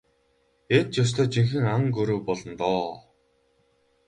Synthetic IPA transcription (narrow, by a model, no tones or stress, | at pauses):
et̪̚t͡ɕjʊs̬t̪ʰœːt͡ɕiŋxɘ̆ŋaŋɡɵɾuːpɔɮɞ̆nt̪ɔː